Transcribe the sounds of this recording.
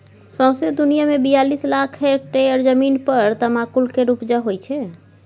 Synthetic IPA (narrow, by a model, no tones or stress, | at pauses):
sə̃wsed̪unijamebijalislakʰek̚ʈejəɾd͡ʒəminpəɾt̪əmakulkeɾupd͡ʒaɦojt͡ʃʰɛ